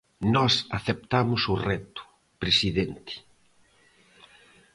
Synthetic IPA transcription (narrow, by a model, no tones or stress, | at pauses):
nɔsaθep̚t̪amʊsʊrɛt̪ʊ̥ | pɾesiðent̪ɪ̥